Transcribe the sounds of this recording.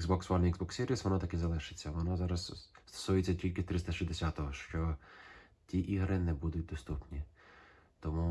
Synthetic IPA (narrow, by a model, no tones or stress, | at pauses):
ɡzbɔksʋɑniɡzbɔksːʲiɾʲisʋɔnɔt̪ɐkɛzɐlˠɪʃɪ̥t͡sʲːɐʋɔnɔzɑɾɐzst̪ɐ̥suʊjɛt͡sʲːɐtʲilʲkɪt̪ɾɪst̪ɐʃizd̪esʲat̪ɔɦɔʃt͡ʃɔ | tʲiʔiɦɾɪnɛbud̪ʊt̚ʲd̪ɔst̪upnʲi | t̪ɔmu